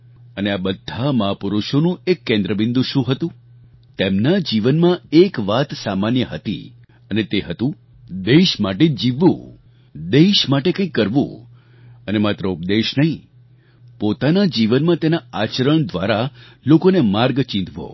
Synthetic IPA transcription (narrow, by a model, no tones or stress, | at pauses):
əneabəd̪ʱːaməɦapuɾuʃonũekːẽnd̪ɾəbĩnd̪ũʃũɦət̪ũ | t̪emnad͡ʒiʋənmãekʋat̪samanjəɦət̪ḭ | ənet̪eɦət̪ũ | d̪eʃmaʈed͡ʒiʋːṵ̃ | d̪eʃmaʈekə̃ĩkːəɾʋṵ̃ | ənemat̪ɾəup̚d̪eʃnəɦĩ | pot̪anad͡ʒiʋənmãt̪enaat͡ʃəɾəɳd̪ʋaɾalokonemaɾɡt͡ʃĩnd̪ʱʋo̰